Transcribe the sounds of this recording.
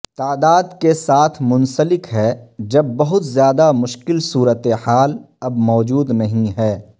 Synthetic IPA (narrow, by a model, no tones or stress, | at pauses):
t̪aːd̪aːd̪kesaːt̪ʰmʊ̃nsəlɪkɦɛd͡ʒɐbːɐɦʊt̪zjaːd̪amʊʃkɪlsuːɾət̪eaːl | ɐbmɔːd͡ʒuːd̪nɐɦĩɦɛː